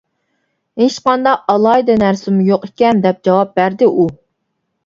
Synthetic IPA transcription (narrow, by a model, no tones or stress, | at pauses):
heʃqɑnd̪ɑqɑlˠɑjd̪ɛnæɾsɪmujoqekʲɛnd̪ɛp̚d͡ʒɑwɑp̚bæɾd̪ɪʔu